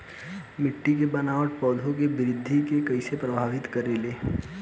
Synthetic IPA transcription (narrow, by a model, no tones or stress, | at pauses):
mɪʈːik̬ebɐnaːʋəʈ̚pɔːd̪ʱõk̬ebɪɾɪd̪ʱːikekɐisepɾɐbʱaːʋɪt̪kɐɾeːleː